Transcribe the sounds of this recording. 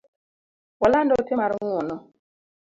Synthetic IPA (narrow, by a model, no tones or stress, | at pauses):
wɔlandɔtɪmaɾŋwɔnɔ